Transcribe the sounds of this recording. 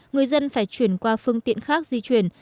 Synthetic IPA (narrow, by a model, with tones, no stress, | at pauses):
ŋɨ˨˩əjzə˧nfaː˧˩jt͡ɕwi˧˩ənkwaː˧fɨ˧əŋt̪ḭ˧˨ənxaː˦˥k̚zi˧t͡ɕwi˧˩ən